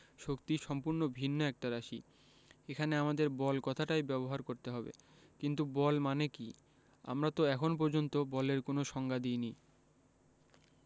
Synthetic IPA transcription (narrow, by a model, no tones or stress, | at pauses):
ʃokt̪iʃɔmpuɾnobʱinːoɛk̚ʈaɾaʃi | ekʰaneamad̪eɾbɔlkɔt̪ʰaʈajbɛboɦaɾkoɾt̪eɦɔbḛ | kint̪ubɔlmaneki | a̰mɾat̪oɛkʰonp̬ɔɾd͡ʑont̪obɔleɾkonoʃɔŋɡad̪ijni